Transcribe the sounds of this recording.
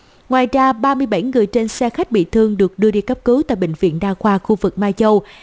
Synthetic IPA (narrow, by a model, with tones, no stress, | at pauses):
ŋwaː˨˩jzaː˧ɓaː˧mɨ˧əjɓa˧˩jŋɨ˨˩əjt͡ɕe˧nsɛ˧xa˦˥jk̟̚ɓḭ˧˨t̪ʰɨ˧əŋɗɨ˨˩ək̚ɗɨ˧əɗi˧kə˦˥p̚kɨ˨˦t̪a̰ː˧˨jɓï˧˨ŋ̟vḭ˧˨ənɗaː˧xwaː˧xu˧vɨ˨˩k̚maː˧t͡ɕə˧w